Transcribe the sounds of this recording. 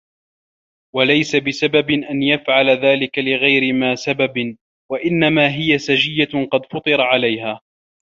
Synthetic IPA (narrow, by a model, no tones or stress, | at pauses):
walajsabɪsababɪʔanjafʕalaðaːlɪkalɪɣajɾɪmaːsababɪ | waʔɪnːamaːɦɪjasad͡ʒɪjːaqɑd̪fɑt̪ˤɨɾˤɑʕalajɦaː